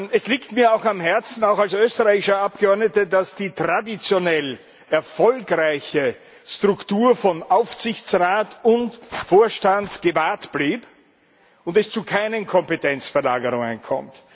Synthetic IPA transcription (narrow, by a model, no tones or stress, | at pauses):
ɛsliːktmiːɐaʊxamɦɛɐt͡sn̩aʊxalsøːstəʁaɪçɪʃɐap̚ɡ̥əɔɐdnətədasd̥iːtʁadit͡sjonɛl | ɛɐfɔlkʁaɪçə | stʁ̥ʊktuːɐfɔnʔaʊfz̥ɪçt͡sʁaːtʊntfoːɐʃtantɡ̥əvaːɐtb̥liːp | ʊntɛst͡sukʰaɪnənkʰɔmpetʰɛnt͡sfɛɐla̰ːɡəʁʊŋənkʰɔ̰mt